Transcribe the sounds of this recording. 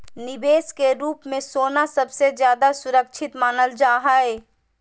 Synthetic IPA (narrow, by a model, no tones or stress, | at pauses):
nɪbeːskeɾuːpmẽsoːnasəbsezjaːd̪asʊɾək̚ʃʰɪt̪maːnəld͡ʒaːɦae